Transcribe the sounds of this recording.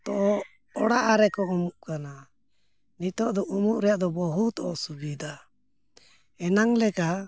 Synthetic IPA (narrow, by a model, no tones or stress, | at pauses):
t̪ɔʔɔ | ɔɽaʔaɾɛkɔumuʔkana | nit̪ɔʔd̪ɔʔumuʔɾɛjaʔd̪ɔbɔɦut̪ɔʔɔsubid̪a | ɛnaŋlɛka